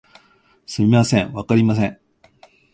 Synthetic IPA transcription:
sɨmʲimasẽ̞ɰ̃βakaɾʲimas̬ẽ̞

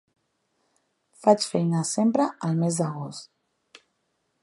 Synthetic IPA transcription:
fat͡ʃfejnasempɾaalˠmezd̪aɣost̪

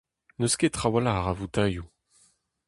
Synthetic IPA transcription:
nøsket̪χawalaaʁavut̪aju

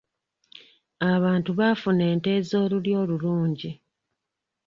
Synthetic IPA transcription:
aβaːntuβafune̞ːnte̞ːzo̞ːluljo̞ːluluːɲɟi

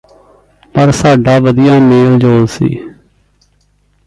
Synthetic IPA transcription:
pəɾsaːɖaːʋəd̪ijãːmeːld͡ʒoːlsḭː

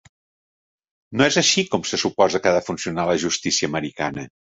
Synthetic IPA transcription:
noɛzəʃikɔmsəsupɔzəkaðəfunsiunaləʒust̪isiəːməɾika̰nə

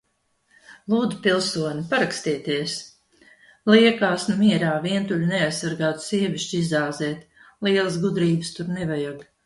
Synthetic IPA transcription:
lˠuːd̪zupilˠsuɔnʲipaɾakst̪iɛt̪iɛs | liɛkaːsnumiɛɾaːviɛnt̪uʎʲunɛajsːaɾɡaːt̪u̥siɛvʲiʃt͡ʃizaːzɛːt̪liɛlˠəsɡud̪ɾiːbɨst̪uɾnɛvajaɡ

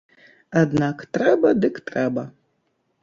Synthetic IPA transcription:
adnaktrɛbɐd̪ɨktrɛbɐ

